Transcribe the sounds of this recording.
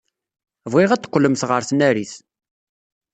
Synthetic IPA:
vʁɪʁæt͡s̪ːqʷːləmθʁəɾθnæɾiθ

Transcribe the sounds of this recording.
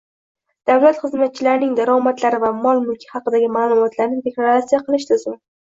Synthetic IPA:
d̪̥awlat̪χɨzmat̪̚t͡ʃʰɪlaɾnɪŋd̪aɾɒmat̪laɾɪvamɒlˠmʊlˠkʲʰɪ̥hɑqɨd̪aɡʲɪmaːlˠʊmɒt̪ʰlaɾnɪd̪e̞klˠaɾat̪sijaqʰɨlˠɪʃt̪ʰɪzɪm

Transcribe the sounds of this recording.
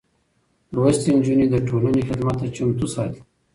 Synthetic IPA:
ɾuwəst̪ind͡ʒunid̪əʈʰolanexɪd̪mat̪ːat͡ʃʊmt̪usɑjt̪

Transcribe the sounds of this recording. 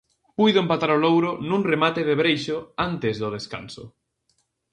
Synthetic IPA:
pujðʊẽmpat̪aɾʊlowɾʊnũŋremat̪eðeβɾejʃʊant̪ezðʊð̞eska̰nsʊ̰

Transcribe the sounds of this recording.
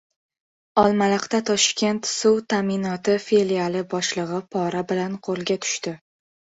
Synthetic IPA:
ɒlˠmalɨqt̪at̪ʰɒʃkʲʰe̞nt̪sʊwt̪ʰamɪnɒt̪ɪfe̞lialˠɪbɒʃlˠɨʁɨpʰɒɾabɪlanqʰolˠɡʲat̪ʰʊ̥ʃt̪ɪ

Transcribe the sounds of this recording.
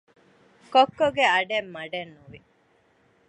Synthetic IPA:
kokːoɡeɐɖemːɐɖenːuʋi

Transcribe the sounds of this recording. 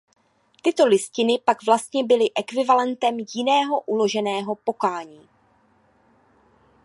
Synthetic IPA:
t̪ɪt̪o̞lɪscɪnɪpaɡvlast̪ɲɛbɪlɪʔɛkvɪvalɛnt̪ɛmjɪnɛːɦo̞ʔulo̞ʒɛnɛːɦo̞po̞kaːɲiː

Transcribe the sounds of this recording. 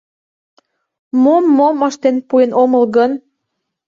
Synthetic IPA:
momːomɑʃt̪enpuenoməlɣən

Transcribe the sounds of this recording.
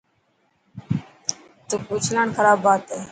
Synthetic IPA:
t̪uːkut͡ʃʰlaːɳxəɾaːbʱaːt̪eː

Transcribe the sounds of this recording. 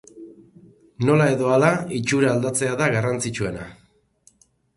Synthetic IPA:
no̞lae̞ðo̞alait͡ʃuɾaːld̪at͡se̞aðaɣarant͡sit͡ʃue̞na̰

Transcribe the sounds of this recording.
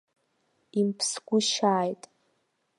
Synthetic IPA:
impʰsɡʷʊʃaːjtʼ

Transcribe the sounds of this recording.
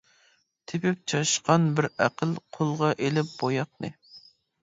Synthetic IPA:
t̪ʰepɪp̚t͡ʃʰɑʃqɑnbɪɾæqʰəlˠqʰolˠʁɑʔelɪp̚b̥ojɑqnɨ

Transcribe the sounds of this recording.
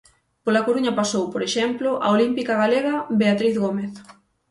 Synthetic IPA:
polakoɾuɲɐpasowpoɾeʃɛmploʔa̰olimpikaɣ̞aleɣabeat̪ɾiθɣomeθ

